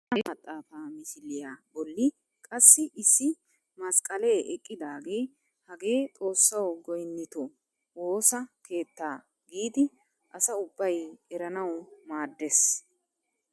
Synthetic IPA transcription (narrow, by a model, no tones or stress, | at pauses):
ɐɐt̪ʼːaːfaːmɪʃɪlːɪjaːbɔlːɪ | kʼɐsːɪʔɪsːɪ | mɐskʼːɐleːʔɛkʼːɪd̪aːɡe̞ː | hɐɡe̞ːt̪ʼo̞ːsːɐwɡɔjnːɪt̪ɔ | wo̞ːsɐkʰe̞ːt̪ːaː | ɡiːd̪ɪ | ʔɐsɐʊbːɐjɛɾɐnɐwmaːd̪ːes